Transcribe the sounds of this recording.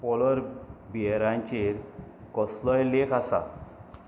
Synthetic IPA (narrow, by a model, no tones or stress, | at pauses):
pɔlɔɾbieɾãɲt͡ɕiɾkɔslɔjlekʰasa̰